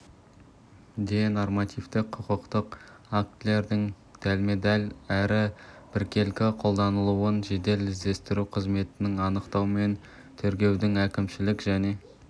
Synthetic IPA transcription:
d̪eno̞rmɑt̪ijft̪ɪkqʰːʊqəqt̪əq | ak̚t̪le̞ɾd̪ɪŋ | d̪̥ælme̞d̪ɑlʲæɾɪb̥ɪɾkʲe̞lkʲɪqʰo̞lˠd̪ɑnəlˠuwənʒe̞d̪e̞lɪzd̪e̞st̪ɪɾuqʰəzme̞t̪ɪnɪŋɑnəqt̪ɑwəme̞n | t̪ʰɵɾkʲe̞wd̪ɪŋækʲɪmʃɪlɪkʒæne̞

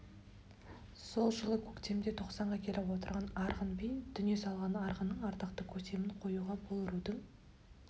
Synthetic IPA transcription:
so̞lˠʒəlˠəkʲʰɵkt̪e̞md̪e̞t̪ʰo̞qsɑɴʁɑkʲʰe̞lɪwo̞t̪əɾʁɑnɑɾʁənbejnd̪̥ʏnje̞sɑlˠʁɑnɑɾʁənːəɴɑɾt̪əqt̪əkʲʰɵkt̪e̞mɪɴqʰo̞juʁɑbolˠɾud̪əŋ

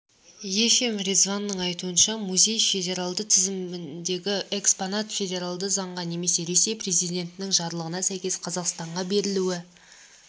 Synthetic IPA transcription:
je̞fe̞mɾʲezvanːəɴɑjt̪uənʃɑmuzʲe̞jfe̞dʲe̞ɾalˠd̪ət̪ʰɪzɪmɪnd̪e̞ɡʲɪeksponat̪fʲe̞dʲe̞ɾalˠd̪əzɑɴʁɑne̞me̞se̞ɾe̞se̞jpre̞zijd̪ʲe̞nt̪ɪnɪŋʒɑɾlˠəʁənɑsæjkʲe̞sqʰɑzɑqst̪ɑɴʁɑbe̞ɾɪluwɪ

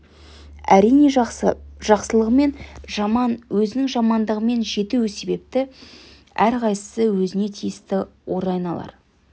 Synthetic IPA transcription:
æ̰ɾijne̞ | ʒ̥ɑqsəlˠəʁəme̞nɑnwɵzɪnɪŋʒɑmɑnd̪əʁəme̞nʒe̞t̪ewɪse̞be̞p̚t̪ɪ | æɾqʰɑjsə̥səwɵzɪne̞t̪ʰijɪst̪ɪwo̞ɾɑjənɑlˠɑ̰ɾ

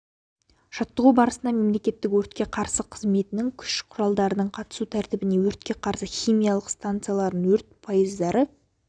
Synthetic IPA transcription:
ʒ̥ɑt̪ːəʁubɑɾəsənɑme̞mle̞kʲe̞t̪ːɪkwɵɾt̪kʲe̞qʰɑɾsəqʰəzme̞t̪ɪnɪŋkʲʰʏ̥ʃqʰʊɾɑlˠd̪ɑɾənəɴqʰɑt̪ə̥sut̪ʰæɾt̪ɪbɪne̞wɵɾt̪̚kʲe̞qʰɑɾsəχʲijmijalˠəqst̪ant̪sɨjalˠɑɾd̪əŋwɵɾt̪̚pʰajəzd̪ɑɾə

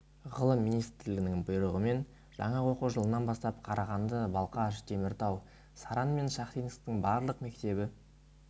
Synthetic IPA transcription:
ʁəlˠəmːijnijst̪ɾlɪɡɪnɪŋbʊjɾəʁəme̞n | ʒ̥ɑ̰ɴɑwoquʒəlˠənɑnbɑst̪ɑpqʰɑɾʔɑʁɑnd̪əbɑlˠqɑʃd̪̥ʰe̞mɪɾt̪ɑw | sɑɾɑnme̞nʃɑχt̪ijnəst̪ɪŋbɑɾlˠəqme̞k̚t̪e̞bɪ

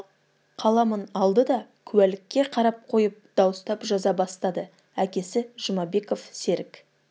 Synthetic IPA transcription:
qʰɑlˠɑmənɑlˠd̪əd̪ɑkʲʰʉwælɪkʲːe̞qʰɑɾɑp̚qʰo̞jəp̚d̪ɑwəst̪ɑpʒɑzɑbɑst̪ɑd̪ə | ækʲe̞sɪʒ̥əmɑbe̞ko̞fse̞ɾɪk

